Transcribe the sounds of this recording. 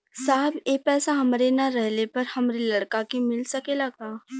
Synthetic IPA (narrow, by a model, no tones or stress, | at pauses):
saːbeːpɛːsaɦɐmɾenaɾɛɦlepɐɾhɐmɾelɐɽkakimɪlsɐkelɐɡaː